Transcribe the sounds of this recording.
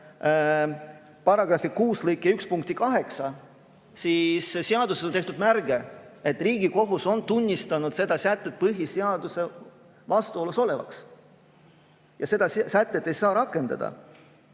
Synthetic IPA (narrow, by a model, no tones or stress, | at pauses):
pɑrɑɡ̥ɾɑfikuːslɤjkːˑeykspuŋkt̪ikɑɦe̞ksɑ | sisseɑd̪used̪nt̪e̞ht̪ud̪mærɡ̥e̞et̪ːˑriːɡiko̞ɦuso̞nt̪unʲːist̪ɑnud̪̥se̞d̪̥ɑsæt̪ːˑe̞t̪̚pɤɦiseɑd̪̥use̞ | vɑst̪uo̞luso̞le̞vɑ̰ks | jɑse̞d̪ɑssæt̪ːet̪ːe̞jsɑːɾɑkːˑe̞nd̪̥ɑ̰d̪ɑ̰